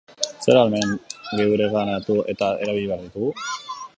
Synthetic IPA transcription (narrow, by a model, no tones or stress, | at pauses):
se̞ɾalmeŋɡeuɾeɣanat̪ue̞t̪ae̞̰ɾaβiʎiβeaɾðut̪uɣ